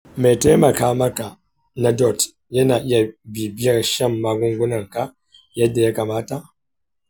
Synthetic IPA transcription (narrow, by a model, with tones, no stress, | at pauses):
mɛ˨tɛ˦ma˨kaː˦ma˦ka˨ | na˨dɔ˨t | ja˦na˨ʔja˨bi˨bi˦a˦ɾʃa˦˨mːa˨ɡu˦ŋ˦ɡu˦na˨ŋ˨ka˦ | ja˦da˨ja˦ka˨maː˦ta˦